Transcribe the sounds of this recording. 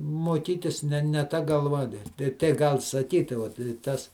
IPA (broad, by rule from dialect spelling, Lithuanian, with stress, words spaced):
moːˈkʲiːtʲɪs ˈnʲɛ nʲɛ ˈtɐ ɡɐlˠˈʋɐ tʲɛɪ tʲɛɪ ˈɡɐlˠ sɐˈkʲiːtʲɪ ˈʋɐt ɪ ˈtɐs